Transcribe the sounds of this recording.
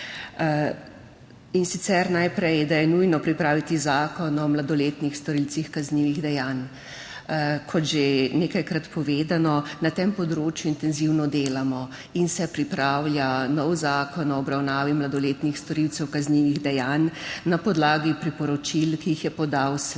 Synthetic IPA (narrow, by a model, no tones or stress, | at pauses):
insit̪sɛɾnajpɾɛjd̪ajɛnujnɔpɾipɾaːʋit̪izaːkɔnɔmlad̪ɔleːt̪nixst̪ɔɾilsixkazniːʋiɣd̪ɛjaːn | kʰɔt̪ʒeneːkajkɾat̪pɔʋeːd̪anɔnat̪empɔd̪ɾoːt͡ʃjuint̪ɛnziwnɔd̪eːlamɔ | insɛpɾipɾawlʲjanɔwzaːkɔnɔːbɾawnaːʋimlad̪ɔleːt̪nixst̪ɔɾiwt̪sɛwkazniʋiɣd̪ɛjaːnːapɔd̪laːɡipɾipɔɾɔt͡ʃilkiixjɛpɔd̪aws